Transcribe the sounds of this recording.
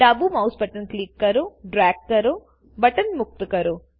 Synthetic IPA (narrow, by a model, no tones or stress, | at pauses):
ʈɐbumɐwsbɐʈɐnkliːkːɐɾuɖɾaːkːɐɾu | bɐʈɐnmuk̚t̪ukɐɾu